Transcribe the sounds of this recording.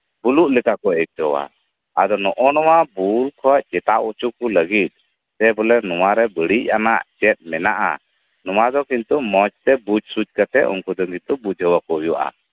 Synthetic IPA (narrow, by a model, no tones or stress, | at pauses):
b̥uluʔlɛkakɔɛk̚ʈɔwa̰ | ad̪ɔnɔʔɔnɔwabulkʰɔaʔt͡ʃɛt̪aʔut͡ʃukuləɡit̪̚ | t̪ɛbɔlɛnɔwaɾɛbəɽic̚anaʔt͡ʃɛt̪̚mɛnaʔa̰ | nɔwad̪ɔkint̪umɔt͡ʃt̪ɛbud͡ʒsud͡ʒkat̪ɛ̰ʔɔ̰ŋkud̪ɔŋkint̪ubud͡ʒɦəwakɔɦjua̰ʔa̰